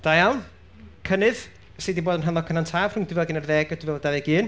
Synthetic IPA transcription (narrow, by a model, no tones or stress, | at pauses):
d̥ajam | kʰənɨð | seːdiboːdənɦanlˠɔkʰənantʰaːv̥r̥ʊŋdɪvɛlˠɡɪnərðɛɡɔd̥ɪvɛlˠdavɛɡɨːn